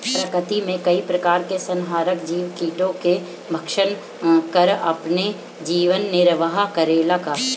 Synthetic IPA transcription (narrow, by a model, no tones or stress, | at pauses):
pɾɐkət̪imẽkɐipɾɐkaːɾkesɐ̃nɦaːɾəkd͡ʒiːʋkiːʈõke | bʱɐkʃən | kɐɾɐ̰pne | d͡ʒiːʋənːɪɾʋəɦakɐɾeːlaka